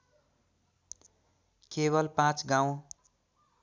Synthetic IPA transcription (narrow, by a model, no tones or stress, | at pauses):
keβʌlpãt͡sɡaw̃